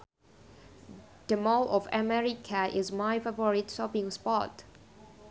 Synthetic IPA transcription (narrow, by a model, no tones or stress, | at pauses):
d̥əmɔlɔvamɛɹikʰaʔɪzmaɪfavɔɹitsɔpĩŋspɔt